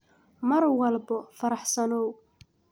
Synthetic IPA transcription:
mɐrwɑlbɔfɐɾɑħsɐnɔw

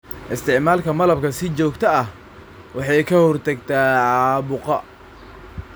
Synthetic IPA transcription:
ʔɪst̪ʰɪʕmaːlkʰɐmɐlɐb̚kʰɐsɪt͡ʃɔːɡt̪ʰɐɐh | wɑħɑjkʰɐhɔrt̪ʰɐɡt̪ʰɛʕɑɑːbʊqɐ

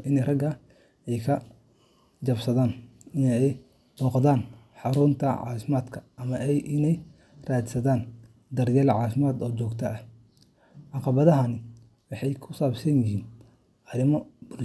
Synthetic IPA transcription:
ɪnɛjrɐɡɐ | ɛjkʰɐ | d͡ʒɐbsɐðaːnɪnɛj | b̥ɔːqd̪aːn | ħɑɾuːnt̪ʰɐʕɑ̰ːfɪmaːd̪kʰɐ̥ʔɐmɐʔɛjʔɪnɛj | raːd̪sɐðaːn | d̪ɐrjɐlʕɑːfɪmaːd̪ɔːt͡ʃɔːɡt̪ʰɐɐh | ʕɑqɑβɐðɐɦɐnɪ | wɑħɑjkʰʊsaːbsɐnjɪɦiːn | ʔɐɾɪmɔb̥ʊ

